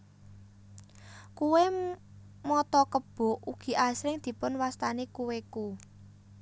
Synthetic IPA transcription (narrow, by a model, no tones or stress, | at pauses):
kuwe | mɔt̪ɔkəb̥ʊ̤ʔuɡ̥i̤ʔasɾɪŋd̪̥i̤pʊnwast̪anekuweku